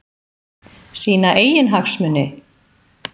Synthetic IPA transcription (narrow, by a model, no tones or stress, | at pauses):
siːnaʔeːjɪnɦaksmʏnːɪ